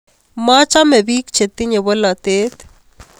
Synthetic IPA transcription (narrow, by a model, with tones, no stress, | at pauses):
ma˦t͡ʃa˦mɛ˨biː˦kt͡ʃʰe˨t̪ːi˦ɲe˨βo˦la˨t̪eː˦t̪